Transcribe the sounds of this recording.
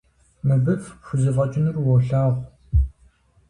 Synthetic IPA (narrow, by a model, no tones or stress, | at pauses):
mɨbɨfɕʷʊzɨfɐt͡ʃʼɪnɨrwɔɬaːʁʷ